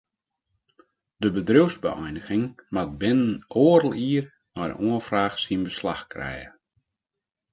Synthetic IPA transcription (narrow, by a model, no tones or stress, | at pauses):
d̥əbədriwzbə̰ɛ̰jnəɣɪŋmat̚bɪnənʔoːəɾəlˠiər | nɔjdə̰oənfraːxsinbəslaxkrɛ̰jə̰